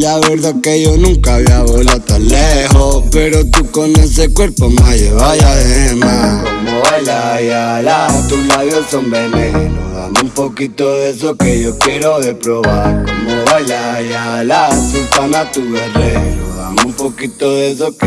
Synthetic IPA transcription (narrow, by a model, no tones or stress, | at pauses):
ʎaβeɾðakejonũŋkaβjaβolat̪aleɦopeɾot̪ukones̬ekweɾpomajeβajaðeemakomoβajlajalat̪ũlaβjosõmbenenoða̰mũmpokit̪oðes̬okejokjeɾoðepɾoβakomoβalajalasipanat̪uβeβenoða̰mũmpokit̪oðes̬oke